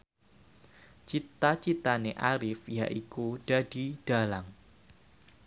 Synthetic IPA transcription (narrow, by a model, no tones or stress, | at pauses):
t͡ʃit̪at͡ʃit̪aneʔaɾɪfjaʔikud̥ad̥id̥a̤laŋ